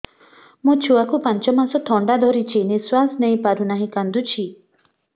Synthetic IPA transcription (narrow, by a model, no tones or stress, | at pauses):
mũt͡ʃʰuakupant͡ʃɔmasɔt̪ʰɔɳɖad̪ʱɔɾit͡ʃʰiniswasnej̃paɾunaɦĩkand̪ut͡ʃʰi